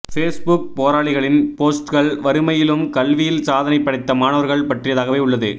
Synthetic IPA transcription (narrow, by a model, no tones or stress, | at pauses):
feːsbʊk̚poːɾaːɽɪɣɐɭɪnpoːsʈkɐɭʋɐɾɯmɐjɪlɯmkɐlʋɪjɪlsaːðɐnɐɪpːɐɽɐɪt̪ːɐmaːnɐʋɐɾɣɐɭpɐʈrɪjɐðaːɣɐʋeːʊɭːɐðɯ̰